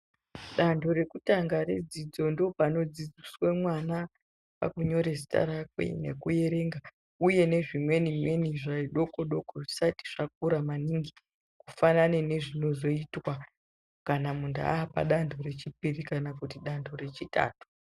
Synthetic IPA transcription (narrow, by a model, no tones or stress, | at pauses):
ɗandʰo̞ɾe̞kutaŋɡaɾe̞̰d͡zid͡zo̞ndo̞pano̞d͡zid͡ziswemwana | pa̰kuɲo̞ɾesi̥ta̰ɾakwḛne̞̰kuje̞ɾe̞ːŋɡa | uje̞ne̞ʐimwe̞nimwe̞niʐaiɗo̞koɗo̞koʐisati̥ʐ̥ak̚uɾamaniŋɡi | kufananene̞ʐino̞zo̞itwa | kanamunda̰aːpa̰ɗandʰʱo̞ɾe̞t͡ʃip̚irikanakutiɗandʰo̞re̞t͡ʃita̰ːtu̥